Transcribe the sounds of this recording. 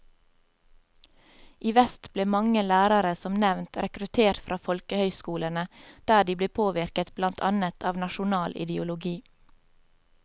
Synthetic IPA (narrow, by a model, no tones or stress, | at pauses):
ʔiːʋɛst̪bleːmɑŋəlæːɾɑɾəsɔmnɛʋnt̪ɾɛkɾʉt̪ʰeːɾʈfɾʔɑːfɔlkəhœʏskuːlənəd̪̥æːɖiːbleːpʰoːʋɪɾkət̪blɑnt̪ʰɑ̰nət̪ʰɑːʋnɑʃʊnɑːlʔɪ̰d̪əʊlʊɡiː